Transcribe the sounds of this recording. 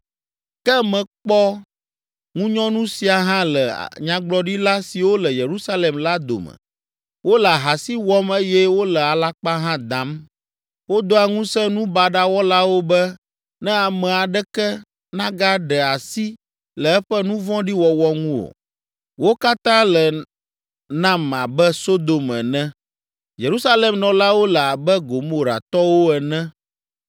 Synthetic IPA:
kɛ˦mɛ̃˨k͡pɔ˦ | ŋũ˦ɲɔ̃˦nũ˦si˨a˨ɦã˦lɛ̰˨ɲã˨ɡ͡blɔ˨ɖi˦la˦si˨wo˦lɛ˨je˨ɾu˦sa˦le˨mla˦d̪o̰˨mə̰˨ | wo˦lɛ˨a˨ɦa˨si˦wɔ˦me˦jɛ˦wo˦lɛ˨a˨la˦k͡pa˦ɦã˦d̪ã˨˦m | wo˦d̪o˦a˨ŋũ˦sɛ̃˦nũ˦ba˨ɖa˦wɔ˦la˦wo˦bɛ˦ | nɛ̃˦a˨mɛ̃˨a˨ɖɛ˦kɛ˦ | nã˦ɡa˦ɖɛ˨a˨si˦ | lɛ˨ɛ˦ɸɛ˦nũ˦vɔ̃˦ɖi˦wɔ˨wɔ˦ŋũ˦o̰˨ | wo˦ka˦t̪ã˦lɛ˨ | nã˦ma˨bɛ˦so˦d̪o˨mɛ̰˨nɛ̃˦ | je˨ɾu˦sa˦lɛ˨mnɔ̃˨la˦wo˦lə˨a˨bɛ˦ɡo˨mo˨ɾa̰˨t̪ɔ˦wo˦ɛ˨nɛ̃˦

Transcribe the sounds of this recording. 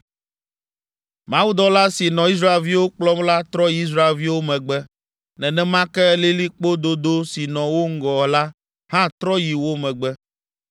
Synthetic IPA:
mã˦wu˦d̪ɔ˦la˦si˨nɔ̃˨i˦s̬ɾa˦e˨lvi˦wo˦k͡plɔ˦mla˦t̪ɾɔ˦ji˦s̬ɾa˦e˨lvi˦wo˦mɛ̃˨ɡ͡bɛ˦ | nɛ̃˨nɛ̃˦mã˦kɛ˦le˦li˦k͡po˦d̪o˦d̪o˦si˨nɔ̃˨wo˦ŋ̩˦ɡɔ˨la˦ | hã˦t̪ɾɔ˦ji˨wo˦mɛ̃˨ɡ͡bɛ˦

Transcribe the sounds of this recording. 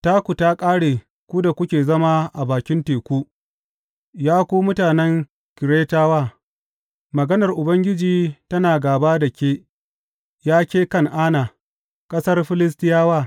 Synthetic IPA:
taː˦kʷu˨ta˦kʼaː˦ɽeː˨ | kʷu˦da˨kʷʊ˦kʲeː˨zɐ˦ma˦ʔa˨baː˨kʲɪ˦nteː˨kʷu˦ | jaː˦kʷuː˦mʊ˦taː˨nɛ˦ŋ | kʲɪ˨ɾeː˦taː˦waː˦˨ | mɐ˨ɡɐ˦nɐ˨rʔʊ˨bɐ˦ŋɡʲɪ˦d͡ʒiː˨tɐ˦naː˨ɡaː˨baː˦da˨kʲeː˦ | jaː˦kʲeː˦kɐ˦ŋʔaː˦na˨ | kʼɐ˦sɐ˦rɸɪ˦lɪ˦s̬tɪ˦jaː˦waː˦˨

